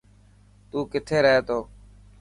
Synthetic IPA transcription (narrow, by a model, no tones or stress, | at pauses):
t̪uːkɪt̪ʰeːɾəɦeːt̪ʰoː